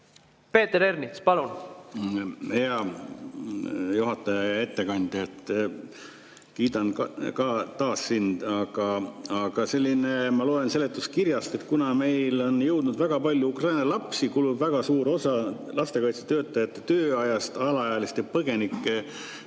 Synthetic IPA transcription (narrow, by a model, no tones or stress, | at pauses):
pe̞ːt̪eɾernispɑlun | mheɑ | juɦɑt̪ːˑɑjɑɑe̞t̪ːe̞kɑnʲd̪̥ʲjet̪ːˑ | kiːd̪ɑnkkɑt̪ɑːsːind̪̥ɑɡ̥ɑɑɡ̥ɑse̞lʲːinemɑloːe̞nse̞le̞t̪ːˑuskirjɑst̪e̞t̪kunɑme̞jlo̞njɤ̞wd̪̥nud̪væɡ̥ɑpɑlʲjuukrɑjnɑlɑpsikulubvæɡ̥ɑsuːɾo̞sɑ | lɑst̪e̞kɑjt̪se̥t̪ø̞ːt̪ːˑɑjɑt̪ːˑe̥t̪øːɑjɑst̪ɑlɑɑjɑlist̪jɑpɤɡ̥e̞nikːe